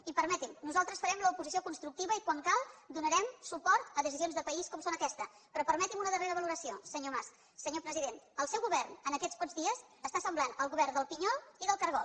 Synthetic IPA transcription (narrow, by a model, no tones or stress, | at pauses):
ipəɾmɛt̪imnuzalˠt̪ɾəsfəɾɛmləupuzis̬iokunst̪ɾuk̚t̪iβəikwaŋkalˠd̪unəɾɛmsupɔɾt̪əðəsizionzðəpəiskɔmsonəkɛst̪ə | pɾɔpəɾmɛt̪imunəðəreɾəβəluɾəsiosəɲomas | səɲopɾəziðenəlˠsɛwɣuβɛrnənəkɛt͡sspɔzðiəs | əst̪asəmblanəlˠɣuβɛrd̪əlˠpiɲɔlˠiðəlˠkəɾɣɔ